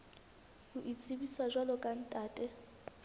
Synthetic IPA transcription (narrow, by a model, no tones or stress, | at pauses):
uʔit͡sʼibiswaʒalɔkʼan̩tʼaːtʼɛ